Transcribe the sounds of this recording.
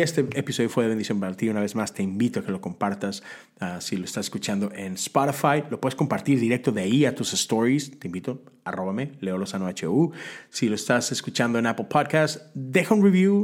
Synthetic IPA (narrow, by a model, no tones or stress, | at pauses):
est̪eepiso̞ðjofe̞ðeend̪isjo̞mpaɾat̪iunaβe̞zmast̪e̞imbit̪oake̞lo̞ko̞mpaɾt̪as | asilo̞est̪aseskut͡ʃand̪o̞ʔe̞nspaɾifajlopwe̞ðsko̞mpaɾt̪iɾðiɾe̞k̚t̪o̞ðeaiat̪usest̪o̞ɾist̪eimbit̪o̞a̰ro̞βame̞le̞olosanoat͡ʃeusilo̞est̪aseskut͡ʃand̪o̞e̞napl̩pʰoðkast̪d̪exaunriβju